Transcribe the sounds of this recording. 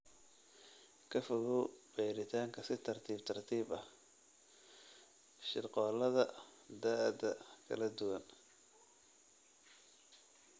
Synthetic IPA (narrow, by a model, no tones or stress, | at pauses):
kʰɐfɐɣʊb̥ɛːɾɪt̪ʰaːŋkʰɐsɪt̪ʰɐrt̪ʰiːbt̪ʰɐrt̪ʰiːbɐh | ʃɪrqɔːlɐðɐd̪aɐd̪ɐkʰɐ̰lɐd̪ʊwɐn